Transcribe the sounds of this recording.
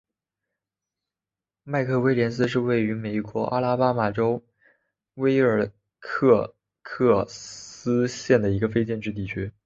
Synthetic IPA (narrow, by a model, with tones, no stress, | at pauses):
ma˥˧ɪkʰɤ˥˩we˥ɪljɛ˧˥ns̬ɹ̩˥ʂ̬ɻ̩˥˧we˥˩ɪy˧˥me˨˩ɪkwɔ˧˥ʔa̰˥la˥pa˥ma˨˩ʈ͡ʂo˥ʊ | we˥ɪə˞˨˩ | kʰɤ˥˧ | kʰɤ˥˩s̩˥ɕjɛ˥˩nd̪ə˩i˧˥ɡə˧fe˥ɪt͡ɕjɛ˥˧nʈ͡ʂɻ̩˥˧t̪̬i˥˩t͡ɕʰy˥